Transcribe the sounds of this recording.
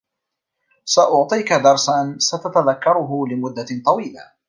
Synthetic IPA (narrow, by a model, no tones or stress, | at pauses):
saʔʊʕt̪ˤiːkad̪ɑɾˤsansat̪at̪aðakːɑɾˤʊɦʊlɪmʊd̪ːat̪ˤɑwiːla̰